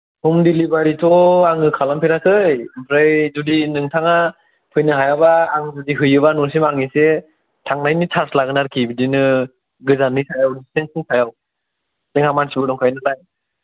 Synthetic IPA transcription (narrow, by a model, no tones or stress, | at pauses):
humdilibaɾitʰɔaŋɯkʰalampʰeɾakʰɯjpʰɾajzudinɯŋtʰaŋa | pʰɯjnɯɦajabaːŋzudiɦɯjɯbanɔɾsimaŋise | tʰaŋnajnitʰaɾslaɡɯnaɾkʰibidinɯ | ɡɯzanːisʰajawdistensiŋsʰajaw | seŋamansibɯdɔŋkʰajnɯlaj